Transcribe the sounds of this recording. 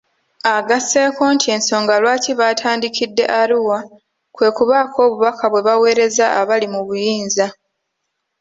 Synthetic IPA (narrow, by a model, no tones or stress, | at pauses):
aɡase̞ːko̞ːntʰie̞nso̞ːŋɡalwaːciβaːtʰaːndikʰidːe̞̰ʔaɾiwa | kwe̞ːkuβaːkʰo̞ːβuβakʰaβwe̞βawe̞ːɾe̞zaaβalimuβujiːnza